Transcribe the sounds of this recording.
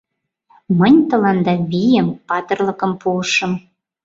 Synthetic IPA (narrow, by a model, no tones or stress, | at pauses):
mənʲt̪ɤ̆lɑnd̪ɑβijəmpɑt̪ə̆rlɤ̆kə̆mpuəʃə̆m